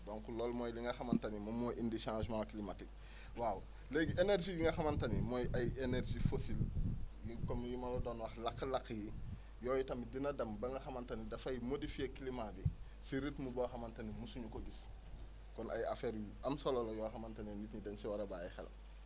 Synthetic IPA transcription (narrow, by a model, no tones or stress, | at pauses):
doːŋkulolmojliŋɡɐxɐmantɐnimomojʔindiʃãːʒmãːkilimatik̚ | waw | leɡeneɾʒijiŋɡɐxamantɐnimojʔajeneɾʒifosiljikomjimalodoːnwɐxlakːlakːji | joːjitɐmidinɐdɐmbɐŋɡɐxɐmantɐnidɐfɐjimodifiekilimabi | siɾitmuboxɐmantɐnimusuɲukoɡis | kɔnʔa̰ja̰feːɾjuamsololojɔxamantaninitɲidɐnsiwaɾɐbaɛxɛ̰l